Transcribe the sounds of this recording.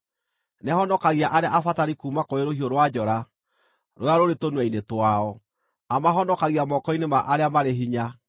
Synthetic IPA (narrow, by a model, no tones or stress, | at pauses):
nɛhɔnɔkaɣiaʔaɾeaʔafataɾikuːmakoeɾohioɾwad͡ʑɔɾa | ɾoaɾoɾetonwɛinetwaɔ | amaɦɔnɔkaɣiamɔkɔinemaʔaɾeamaɾeɦiɲa